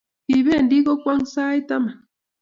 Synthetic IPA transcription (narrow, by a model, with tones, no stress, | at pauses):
ki˨βe˦˨ndi˦ko˦kwa˦ŋ˦sa˦i˦ta˦ma˨